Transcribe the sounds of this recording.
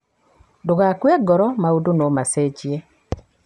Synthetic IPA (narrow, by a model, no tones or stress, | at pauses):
dʊɣakweɡɔɾɔmaudonomaset͡ʃie